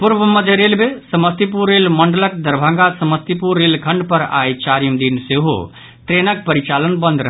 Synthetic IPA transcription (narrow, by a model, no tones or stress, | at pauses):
puɾbəməd̪ʱeɾelbesəməst̪ipuɾːelməɳɖələk̚d̪əɾbʱə̃ŋɡasəməst̪ipuɾːelkʰəɳɖpəɾa̰jt͡ʃaɾjimd̪inseɦo̰ | t̪ɾenək̚pəɾit͡ʃalənbə̃nd̪ɾəɦ